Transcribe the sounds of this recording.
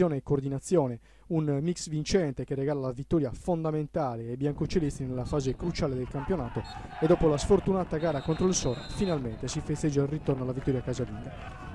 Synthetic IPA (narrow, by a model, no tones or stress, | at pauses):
jɔːneːkːoːɾd̪inat̪sːjɔːne | unmiksvint͡ʃɛnt̪ekerːɛɡaːlalavit̪ːɔːɾjafond̪ament̪aːleːbːjaŋkot͡ʃelest̪ɾinɛlafaːzekɾut͡ʃaːled̪elkampjonaːt̪o | ɛd̪ːɔːpolasfoɾt̪unaːt̪aɡaːɾakont̪ɾoilsɔːɾa̰finalmɛnt̪esifest̪ɛd͡ʒːailrit̪ɔrnoalavit̪ːɔːɾjakazalḭːɡa